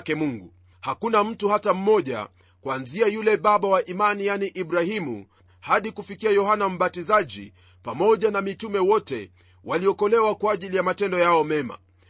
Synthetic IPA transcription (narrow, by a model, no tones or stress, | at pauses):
kɛmuŋɡu | hakunam̩tuhatam̩mɔʄa̰ | kwanziajulɛɓaɓawaʔimanijaniʔiɓɾahimṵ | haɗikufikiajɔɦanam̩ɓatizaʄḭ | pamɔʄanamitumɛwɔtɛ | wʔaliɔkɔlɛwakwaːʄilijamatɛndɔjaɔmɛma̰